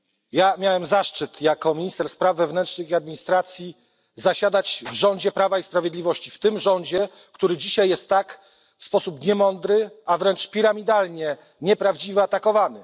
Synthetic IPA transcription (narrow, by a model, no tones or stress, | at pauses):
jamʲjawɛmzaʂt͡ʂɘt̪jakɔmʲiɲist̪ɛɾspɾavːɛvnɛntʂnɘxiad̪mʲiɲist̪ɾat̪sʲji | zaɕad̪at͡ɕvʐɔɲd͡ʑɛpɾavaispɾavʲjed̪lʲivɔɕt͡ɕift̪ɘmʐɔnd͡ʑɛ | kt̪uɾɘd͡ʑiɕajːɛst̪ːak | fspɔsupɲɛmɔnd̪ɾɘavɾɛnt͡ʂpʲiɾamʲid̪alɲɛ | ɲɛpɾavd͡ʑivɛat̪akɔvanɘ